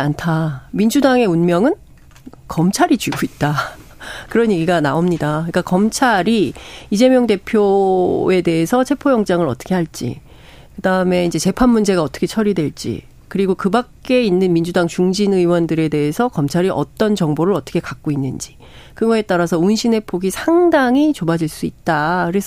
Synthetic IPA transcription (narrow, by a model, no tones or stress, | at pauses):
antʰamind͡ʑudaŋe̞unmjʌŋɯn | kʌmt͡ɕʰaɾid͡ʑɥiɡoit̚t͈a | kɯɾʌnje̞ɡiɡanaomɲidakɯɲik͈akʌmt͡ɕʰaɾiid͡ʑe̞mjʌŋde̞pʰjoe̞de̞esʰʌt͡ɕʰe̞pʰojʌŋt͡ɕ͈aŋɯɾʌt͈ʰʌ̥kʰe̞haɭt͡ɕ͈ḭ | kɯdaɯme̞ind͡ʑe̞t͡ɕe̞pʰanmːund͡ʑe̞ɡaʌt͈ʌ̥kʰe̞t͡ɕʰʌɾidwe̞ɭt͡ɕ͈ḭ | kɯɾiɡokɯbak̚k͈e̞inːɯnmind͡ʑudaŋt͡ɕuŋd͡ʑinɯiwʌndɯɾe̞de̞esʰʌkʌmt͡ɕʰaɾiʔʌ̰t͈ʌnt͡ɕʌŋboɾɯɭʌt͈ʌ̥kʰekak̚k͈oinːɯnd͡ʑi | kɯɡʌe̞t͈aɾasʰʌunɕʰine̞pʰoɡisʰaŋdaŋit͡ɕobad͡ʑiɭs͈uit̚t͈akɯɾe̞sʰʌ